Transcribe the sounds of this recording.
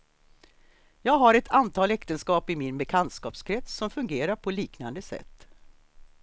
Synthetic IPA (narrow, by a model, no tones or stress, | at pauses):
jɑːɡɦaɾɛt̪ʰant̪ʰɑːlɛkt̪ənskɑːpɪmɪnbɛkʰant̪skɑːpskʰɾɛt̪ssɔmfɵŋɡeːɾaɾpʰɔliːknand̪əsɛ̰t̪ː